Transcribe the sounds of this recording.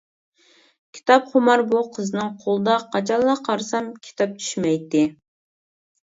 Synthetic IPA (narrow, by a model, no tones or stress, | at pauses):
kʲʰi̥t̪ʰɑpχʊmɑɾbuqʰəzɨnɨŋqʰolˠəd̪ɑqʰɑt͡ʃʰɑlˠːɑqʰɑɾsɑmkʲʰi̥t̪ʰɑp̚t͡ʃ̪ʰy̥ʃmɛjt̪ːɪ